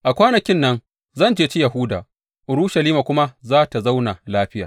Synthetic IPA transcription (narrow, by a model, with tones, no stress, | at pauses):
ʔa˨kʷaː˦nɐ˨kʲɪ˦nːɐ˦n | zɐ˦˨nd͡ʒeː˦t͡ʃi˦jɐ˨ɦʊ˦da̰˨ | ʔʊ˨ɾʊ˦ʃa˨liː˦ma˨kʷʊ˦ma˦zaː˦ta˨za˦wna˨laː˦ɸɪ˦jaː˨